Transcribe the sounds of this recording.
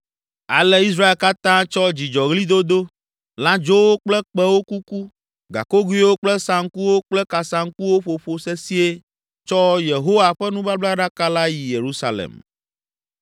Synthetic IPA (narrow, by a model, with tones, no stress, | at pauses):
a̰˨lɛ˦i˦s̬ɾa˦e˨lka˦t̪ã˦t͡ʃɔ˦d͡ʑi˨d͡ʒɔ˨ɣli˦d̪o˦d̪o˦ | lã˦d͡ʒo˦wo˦k͡plɛ˦k͡pɛ˦wo˦ku˦ku˦ | ɡa̰˨ko˦ɡu˦i˦wo˦k͡plɛ˦sã˨ŋ˦ku˦wo˦k͡plɛ˦ka˨sã˨ŋku˦wo˦ɸo˨ɸo˨sɛ˦si˦e˦ | t͡ʃɔ˦je˨ɦo˦wa˨ɸɛ˦nũ˦ba˦bla˦ɖa˦ka˦la˦ji˨je˨ɾu˦sa̰˨lḛ˨m